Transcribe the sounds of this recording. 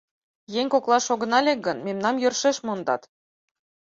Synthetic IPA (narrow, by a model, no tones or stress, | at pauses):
jeŋʲkoklˠɑʃoɣɤ̆nɑlʲek̚ɡɤ̆nmemnɑmjø̆rʃeʃmond̪ɑ̰t̪